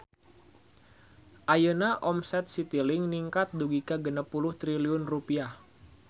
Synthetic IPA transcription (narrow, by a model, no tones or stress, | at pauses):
ʔajənaʔɔmsɛt̪̚sit̪ilɪŋniŋkat̪̚duɡikaɡənəpulʊht̪ɾiliʊnrupiah